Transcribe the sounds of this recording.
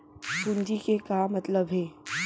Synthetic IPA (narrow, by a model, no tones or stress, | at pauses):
sund͡ʒikekamɐt̪ləbɦɛː